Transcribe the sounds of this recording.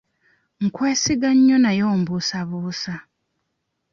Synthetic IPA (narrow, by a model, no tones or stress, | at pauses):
ŋ̩kwe̞ːsiɡaɲːonajoːmbusaβuːsa